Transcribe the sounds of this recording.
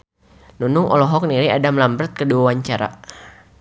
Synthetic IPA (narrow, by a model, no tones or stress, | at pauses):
nunʊŋɔ̰lɔɦɔk̚niɾiadamlambɾət̪̚kəduawaɲt͡ʃaɾa̰